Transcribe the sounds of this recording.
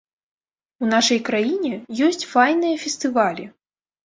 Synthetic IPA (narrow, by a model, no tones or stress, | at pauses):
unaʂɐjkɾajinʲɛjɔsʲt͡sʲfajnɨjɐfʲɛst̪ɨvalʲi